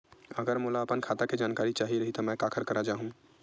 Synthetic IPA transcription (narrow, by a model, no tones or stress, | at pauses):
əɡəɾmoːlaəpənkʰaːt̪aked͡ʒaːnkaːɾit͡ʃaːɦiɾɐɦit̪ɔmɛ̃ːkaːkʰəɾkɐɾad͡ʒaːɦũ